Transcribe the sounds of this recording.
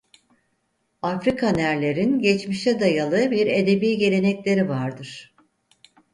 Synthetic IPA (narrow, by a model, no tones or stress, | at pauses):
afɾikʰanæɾlʲe̞ɾinɟɛt͡ʃmiʃt̪ʰɛd̪ajalˠɯbiɾe̞d̪e̞biːɟe̞ɾe̞nɛclʲe̞ɾivaɾd̪ɯɾ̥